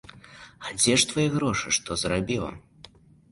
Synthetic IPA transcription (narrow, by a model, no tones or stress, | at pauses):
ad͡zʲɛʂt̪vajɛɣɾɔʂɨʂt̪ɔzɾabʲilˠɐ̰